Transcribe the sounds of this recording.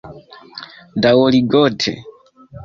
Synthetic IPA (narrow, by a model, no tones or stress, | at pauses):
dawɔliɡɔːtʰɛ̰